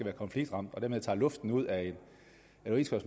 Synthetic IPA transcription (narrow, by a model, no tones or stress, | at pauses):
æʋæːɐkʰɒ̽nfliɡ̥d̥ʁɑ̈m̰d̥ɒ̽dæɐme̞ɑ̰̈ːlɔ̽fd̥n̩uð̞̰ˠæe̝n | ʁiskʰɒs